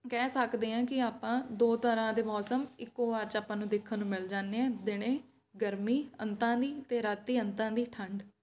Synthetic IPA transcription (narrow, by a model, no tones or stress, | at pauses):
kɛːsəkd̪eːãːkɪaːpãːd̪oːt̪əɾãːd̪eːmɔːsəmɪkːoːʋaːɾt͡ʃaːpãːnũːd̪eːkʰːənũːmɪld͡ʒaːnːeːɛ̃ːd̪ɪɽ̃ẽː | ɡəɾmiːə̰nt̪ãːd̪iːt̪eːɾaːt̪ːiːənt̪ãːd̪iːʈʰəɳɖ